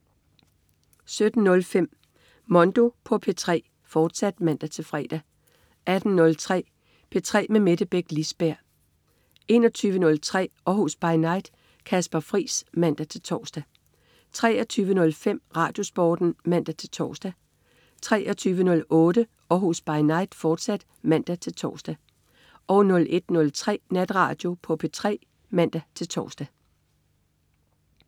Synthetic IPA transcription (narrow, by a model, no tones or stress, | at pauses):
sød̥n̩nɔ̽lfem̰ | mɔ̽nd̥o̝pʰɒ̽pʰe̝t͡sʰʁɛ̰ː | fɒːd̥sæd̥mæn̰d̥æt͡sʰe̝lfʁɛ̰ːd̥æ | ʔæd̥n̩ːnɔ̽lt͡sʰʁɛ̰ː | pʰe̝t͡sʰʁɛ̰ːmeme̝ɾ̥əb̥eɡ̥lisb̥æɐ̰ | e̝ːnɒ̽t͡sʰyːʋənɔ̽lt͡sʰʁɛ̰ːɒhosb̥ɑ̈ɪnɑ̈ɪd̥ | kʰæsb̥ɐfʁḭːsmæn̰d̥æt͡sʰe̝lt͡sʰɒːsd̥æ | t͡sʰʁɛ̰ːɒt͡sʰyːʋənɔ̽lfem̰ʁɑ̈ːd̥jo̝sb̥ɒ̰ːd̥n̩mæn̰d̥æt͡sʰe̝lt͡sʰɒ̰ːsd̥æ | t͡sʰʁɛ̰ːʔɒt͡sʰyːʋənɔ̽lɔ̽ːɾə | ɒɦusb̥ɑ̈ɪnɑ̈ɪ̰d̥fɒːd̥sæd̥ | mæn̰d̥æt͡sʰe̝lt͡sʰɒ̰ːsd̥æ | ʔɒʊnɔ̽lʔe̝d̥nɔ̽lt͡sʰʁɛ̰ːnæd̥ʁɑ̰̈ːd̥jo̝pʰɒ̽pʰe̝t͡sʰʁɛ̰ː | mæn̰d̥æt͡sʰe̝lt͡sʰɒ̰ːsd̥æ